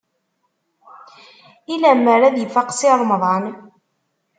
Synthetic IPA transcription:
ilæmːəɾæðjəfːaqsirˤmðˤɑn

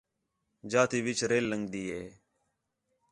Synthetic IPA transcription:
d͡ʒaːt̪iːʋɪt͡ʃɾeːlːəŋɡd̪iːɦeː

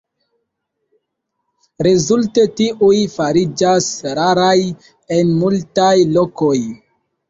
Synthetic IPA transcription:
ɾezulte̞tiʔujfaɾid͡ʒasɾaɾaj | enmultajlo̞ko̞j

